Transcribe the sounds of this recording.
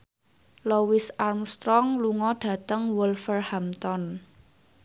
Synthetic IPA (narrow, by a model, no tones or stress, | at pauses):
lowɪsarmst̪ɾɔŋluŋɔɖ̥ä̤t̪əŋwulfərhamt̪ɔn